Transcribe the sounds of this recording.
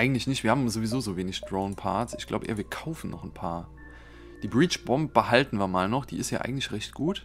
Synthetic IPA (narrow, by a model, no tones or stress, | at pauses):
ʔaɪɡŋ̩tlɪçnɪçtv̥iːhaːbmzovizoːzoːveːnɪçd̥ʁoʊnpʰa̰ɐtsʔɪçɡ̥la̰ʊbəʔḛːɐviːɐkʰaʊfn̩nɔ̰χnpʰa̰ːɐ | d̥iːbʁiːt͡ʃb̥ɔmp̚b̥əɦaltn̩viːɐmaːlnɔχd̥ḭːɪstjaːʔa̰ɪŋ̩tlɪçʁɛçt̚ɡ̥uːt